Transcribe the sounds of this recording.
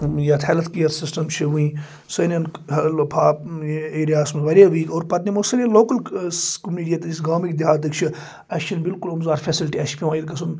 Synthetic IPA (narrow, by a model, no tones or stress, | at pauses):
jaːt̪ʰeːlɐt̪kijɐɾsisʈɐmt͡ʃʰiʋuĩː | sɐnʲɐnɐlpʰaːeːɾijaːsmeʋɐɾʲjaːʋiːkoːɾpɐt̪nimosɐneloːkɐlkumniːɖʲijɐt̪ɐisɡaːmikd̪iɦaːt̪̬ɨkt͡ʃʰi | ɐʃɐnbilkulumzaːɾfʰʲeːsilʈiɐʃpʲiʋãːiɾkɐsun